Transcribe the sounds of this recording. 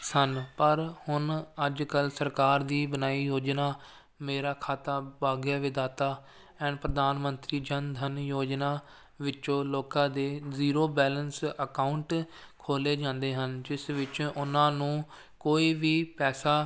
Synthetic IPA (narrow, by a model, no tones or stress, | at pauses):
sənpəɾhʊnəd͡ʒkəlsəɾkaːɾd̪iːbənaːiːjoːd͡ʒnaː | meːɾaːkʰaːt̪aːbaːɡjaːʋɪd̪aːt̪aː | ɛ̃ːnpɾəd̪aːnmənt̪ɾiːd͡ʒənd̪ʱənjoːd͡ʒnaː | ʋɪt͡ʃõːloːkãːd̪eːziːɾoːbɛːlənsəkaːʊɳʈ | kʰoːleːd͡ʒãːnd̪eːɦənd͡ʒɪsʋɪt͡ʃʊnãːnũː | koːiːʋiːpɛːsaː